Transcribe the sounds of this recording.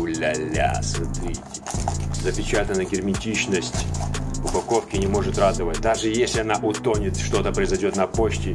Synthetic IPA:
ʊlʲalʲa̰smɐt̪ɾʲitʲɪ̥zəpʲɪt͡ɕat̪ənːəjɡʲɪrmʲɪtʲit͡ɕnəsʲtʲʊpɐko̞fkʲɪnʲɪmo̞ʐɨt̪rad̪əvətʲd̪aʐɨjesʲlʲɪɐnaʔʊt̪o̞nʲɪt̪ʂt̪o̞t̪əpɾəɪzɐdʲo̞t̪nɐpo̞t͡ɕtʲɪ

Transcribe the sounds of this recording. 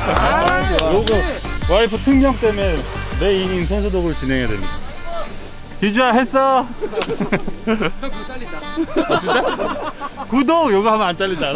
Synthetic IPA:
joɡɯwaipʰɯtʰɯŋmjʌŋ̚t͈emeneinins̬ʰonsʰudoɡɯɭt͡ɕineŋɦedwemɲida | kid͡ʑuaɦes͈ʌ | t͡ɕut͡ɕ͈a | kudoŋjoɡɯɦambʌant͡ɕ͈aʎːida

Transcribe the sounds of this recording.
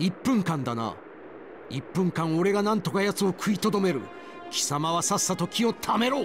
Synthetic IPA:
ipːɯ̟̃ŋkãnd̪ana̰ | ipːɯ̟̃ŋkãŋ̃o̞ɾe̞ɡanãnt̪o̞kajat͡sɨo̞kʰɯ̟it̪o̞d̪o̞me̞ɾɯ̟̰ | kʲʰi̥samaβasasat̪o̞kʲio̞t̪ʰame̞ɾo̞ː

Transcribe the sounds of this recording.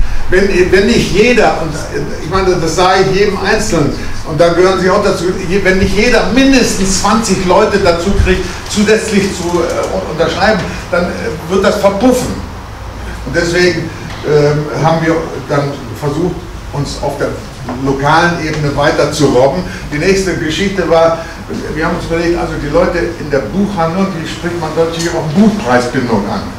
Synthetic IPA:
vɛnvɛnːɪçtjeːdɐʔʊnt | ɪçmaɪnədasz̥aːɡəɪçjeːdm̩ʔaɪnt͡sl̩nən | ʔʊnt̚d̥anɡəhøːʁənziaʊxd̥at͡suːjvɛnːɪçtjeːɾɐmɪndəstn̩st͡sv̥ant͡sɪçlɔʏtədat͡suːkʁ̥ɪç̚t | t͡suːzɛt͡slɪçt͡suʔʊntɐʃʁ̥aɪbm̩ | d̥anvɪɐt̚d̥asfɛɐpʊfn̩ | ʔʊnt̚d̥ɛsv̥eːɡŋ̩ | ʔɛhaːbm̩viːɐd̥an | fɛɐzuːxt | ʔʊnsa̰ʊfd̥eːɐ | lokaːlənʔeːbənəvaɪtɐt͡suʁɔbm̩ | d̥iːnɛːçstəɡəʃɪçtəvaːɐ | viːɐhaːmʊnsyːbɐleːktʔa̰lzodiːlɔʏtəɪndeːɐbuːxhandləʊnt̚d̥iːʃpʁ̥ɪçtmanzɔtlçɪmanbuːt̚pʁ̥aɪsb̥ɪndʊŋʔa̰n

